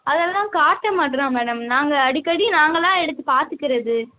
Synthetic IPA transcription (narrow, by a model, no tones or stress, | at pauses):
ɐðɛlːãːkaːɾʈːɐmaːʈːɯɾãːmɛːɽɐmnaːŋɡɐːɽikːɐɽinaːŋɡɐlãːɛɽɯt̪ːɯpaːɾt̪ɯkːɪɾɐðɯ